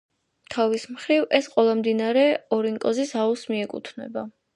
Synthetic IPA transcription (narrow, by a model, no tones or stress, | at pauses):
t̪ʰavismχɾivɛsqʼɛlˠamd̪inaɾɛɔɾiŋkʼɔzisausmiɛkʼṵt̪ʰnɛ̰ba